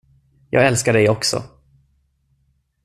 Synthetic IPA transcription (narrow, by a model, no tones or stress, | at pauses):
jɑ̰ːɡɛlskaɖɛjɔksɔ̰